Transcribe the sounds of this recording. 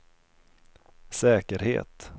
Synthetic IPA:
sɛːkəɾhḛːt̪

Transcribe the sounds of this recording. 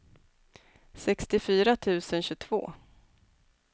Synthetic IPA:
sɛkst̪ɪfyːɾat̪ʰʉ̟ːsənɕɵt̪ʰv̥o̰ː

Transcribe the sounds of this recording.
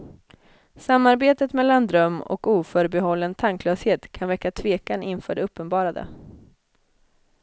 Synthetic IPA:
samːaɾbeːt̪ət̪mɛlːand̪ɾœmːɔ̰kuːfœɾbɛɦɔlːənt̪ʰaŋklœːsheːt̪kʰanvɛkːat̪ʰveːkanʔɪnfœːɖɛɵpːənbɑːɾad̪ə̰

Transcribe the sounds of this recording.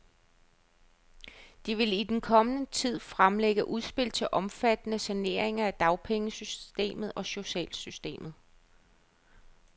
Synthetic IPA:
d̥iʋe̝lid̥enkʰɒ̽mənət͡sʰið̞̰ˠfʁamleɡ̥əʔuð̞ˠsb̥e̝l̰t͡sʰe̝ʔɒ̽mfæd̥nəsæne̝̰ɐ̰eŋɐæd̥ɑ̈ʊpʰeŋəsysd̥e̝̰ːmð̩ˠɒ̽ɕo̝ɕɛ̰ːlsysd̥e̝̰ːmð̞̩ˠ

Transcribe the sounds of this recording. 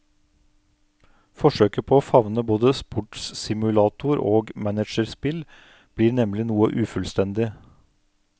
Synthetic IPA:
fɔʃøːkəpʰoːoːfɑʋnəboːd̪əspʊʈssɪmʉlɑːt̪ʊɾo̰ːɡmænəʃəɾspɪl | b̥liːɾnɛmlɪnuːəʔʉːfʉlst̪ɛnd̪ɪ

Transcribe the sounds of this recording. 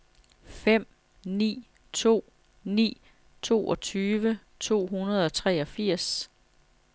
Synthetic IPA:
fem̰ | nḭː | t͡sʰo̝̰ː | nḭː | t͡sʰo̝̰ːʔɒ̽t͡sʰyːʋə | t͡sʰo̝̰ːɦunɐð̞ˠɒ̽t͡sʰʁɛɒ̽fiɐ̰s

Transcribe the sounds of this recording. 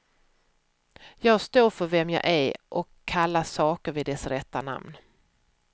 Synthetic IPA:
jɑːɡst̪oːɾfœɾvɛmjɑ̰ːʔæɾʔɔkʰːalːasɑːkəɾvɪd̪ɛsɾɛt̪ːana̰mn

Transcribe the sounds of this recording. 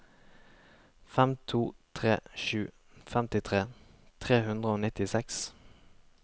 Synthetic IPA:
fɛmt̪ʰuːt̪ʰʁeːʃʉː | fɛmt̪ɪt̪ʰʁeː | t̪ʰʁeːhʉnd̪ʁəoːnɪt̪ɪsɛks

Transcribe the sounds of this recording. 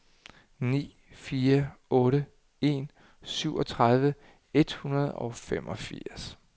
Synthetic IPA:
nḭː | fiːɐɔ̽ːɾə | e̝̰ːn | syʊ̰ɒ̽t͡sʰʁað̞ˠʋə | e̝d̥hunɐð̞̩ˠɒ̽femʔɒ̽fḭɐ̰s

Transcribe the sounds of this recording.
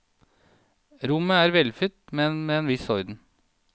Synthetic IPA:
ɾʊməæːɾʋɛlfʏt̪mɛnmeːeːnʋɪsɔʏd̪n̩

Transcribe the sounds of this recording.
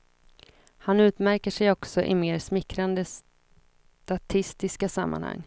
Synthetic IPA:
hanʉ̟ːt̪mæɾkəʂɛjɔksɔʔɪmeːɾsmɪkɾand̪əs | t̪at̪ʰɪst̪ɪskasamːa̰nha̰ŋː

